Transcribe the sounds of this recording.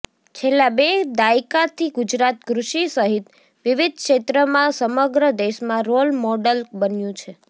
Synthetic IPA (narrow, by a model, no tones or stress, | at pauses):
t͡ʃʰelːãbed̪aikat̪ʰiɡud͡ʒɾat̪kɾuʃisəɦit̪ | ʋiʋid̪̚ʱkʃet̪ɾəmãsəməɡɾəd̪eʃmãɾolmɔɖəlbənjũt͡ʃʰe